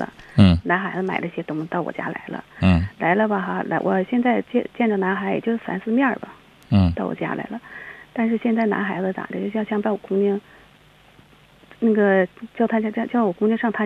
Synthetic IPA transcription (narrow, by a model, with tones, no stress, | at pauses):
lə̰˧˩na˧˥nxa˧˥ɪd͡zə˧ma˨˩ɪdə˦i˥˩ɕjɛ˥t̪ʊ˥ŋt̪ɑ˥˩ʊwɔ̰˨˩t͡ɕja̰˥la̰˧˥ɪlə̰˧˩la˧˥ɪlə˧bɐ˨˩xa˥˩la̰˧˥wɔ̰˨˩ɕjɛ˥˧nt͡sa˥˧ɪt͡ɕɛ˥˧t͡ɕjɛ˥˩nʈ͡ʂə˩na˧˥xa˧˥ɪjɛ̰˨˩t͡ɕjo˥˧ʊʂ̩˥˩fa̰˧˥nsɹ̩˥˧mjɑ˥˩bɐ̰˩˥˩ | t̪ɑ˥˩ʊwɔ̰˨˩t͡ɕja̰˥la̰˧˥ɪlə˧˦t̪a˥˧nʂ̬ɻ̩˥˧ɕjɛ˥˧nt͡sa˥˩ɪna̰˧˥xa˧˥ɪd͡zə˧t̪a̰˨˩d̪ə˧˩t͡ɕo˥˧˥ɕjɑ˥˧ŋ˧pa˧˥wɔ˨˩kʊ˥ŋt͡ɕi˥ŋ | na˥˩ɡə˩t͡ɕjɑ˥˩ʊt̪ʰa˥t͡ɕa˥t͡ɕjɑ˥˧ʊt͡ɕjɑ˥˩ʊwɔ˨˩kʊ˥ŋt͡ɕi˥ŋʂɑ˥˧ŋt̪ʰa˥